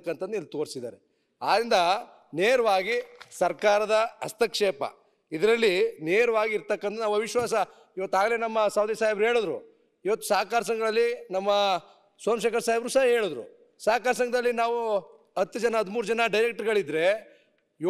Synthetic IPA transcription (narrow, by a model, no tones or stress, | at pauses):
kːɐnt̪ɐd̪nuilːt̪o̞ːɾsid̪a̰ːɾe | a̰ːd̪ɾind̪ɐ | neːɾɐʋaːɡisɐɾkaːɾɐd̪ɐɐst̪ɐkʂeːpɐ̰ | id̪ɐɾɐlːineːɾɐʋaːɡiːɾt̪ɐkːɐnt̪ɐnaːʋʋɐʋiʃʋaːsɐ | iʋɐt̪ːaːɡle̞ːnɐmːɐsaːwd̪isaːɦibɾuɦeːɭud̪ɾṵ | iʋɐt̪ːu̥saːkaːɾɐs̬ɐŋɡɐlɐlːinɐmːɐ | sɐːmʃ̬eːkɐɾsaːɦibɾuːsaɦɐɦe̞ːɭud̪ɾṵ | saːkaːɾɐs̬ɐŋɡɐd̪ɐlːinaːʋu | ɐt̪ːud͡ʒɐnɐɐd̪muːɾud͡ʒɐnɐɖɐjɾek̚ʈɐɾɡɐɭid̪ɾe̞ | j